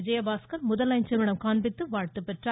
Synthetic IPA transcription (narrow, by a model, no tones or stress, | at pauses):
ɪd͡ʒɐjɐbaːskɐlmʊðɐlɐɪnt͡ʃɐmɪɽɐmkaːnbɪt̪ːɯʋaːɻt̪ɯpːɛʈra